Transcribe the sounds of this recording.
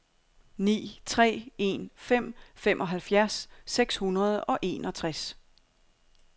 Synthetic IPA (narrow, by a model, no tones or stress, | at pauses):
nḭːt͡sʰʁɛ̰ːe̝nfem̰femʔɒ̽ɦælfjæɐsːeɡ̥shunɐð̞̩ˠɒ̽ʔe̝̰ːnɒ̽t͡sʰʁas